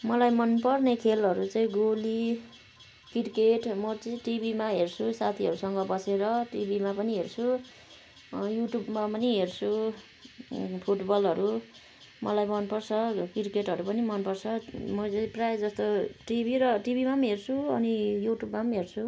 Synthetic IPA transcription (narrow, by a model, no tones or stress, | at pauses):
mʌlajmʌnpʌrnekʰelɦʌɾut͡saĩɡoli | kiʈkeʈmʌt͡sʌĩʈibimaɦert͡sʰusat̪ʰiɦʌɾusʌŋɡʌbʌseɾʌʈibʱimapʌniɦert͡sʰu | juʈjubmapʌniɦert͡sʰu | pʰuʈbʌlʌɾu | mʌlajmʌnpʌrt͡sʰʌkiʈkeʈɦʌɾupʌnimʌnpʌrt͡sʰʌmʌt͡saĩprajed͡zʌst̪oʈibʱiɾʌʈibʱimamɦert͡sʰuʌnijuʈjubmamɦert͡sʰu